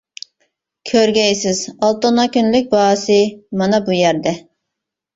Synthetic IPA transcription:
kʲʰøɾɡʲɛjsɪzɑlˠt̪onɑkʲynlyk̚ʲbɑːsɨmɑnɑbujæɾd̪ɛ

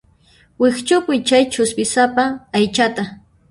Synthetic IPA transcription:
wɪχt͡ʃʊpʊjt͡ʃajt͡ʃʊspɪsapaːjt͡ʃat̪a

